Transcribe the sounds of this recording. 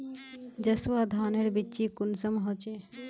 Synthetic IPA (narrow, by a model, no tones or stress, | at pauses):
d͡ʑəswad̪ʱaneɾbiːʃikunsəmɦɔt͡ɕe